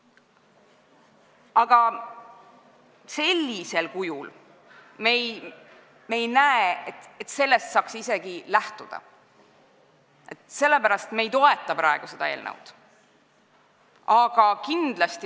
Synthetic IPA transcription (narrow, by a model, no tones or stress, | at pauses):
ɑɡ̥ɑ | se̞lʲːise̞lkujul | mej | me̞jnæeet̪et̪ːse̞lːe̞st̪sɑːksise̞ɡ̥ilæht̪ud̪̥ɑ̰ | e̞t̪se̞lːe̞pæɾɑst̪me̞jt̪o̞e̞t̪ːˑɑpɾɑe̞ɡ̥use̞d̪̥ɑe̞ːlnɤ̰wd̪̥ | ɑɡ̥ɑkind̪lɑst̪i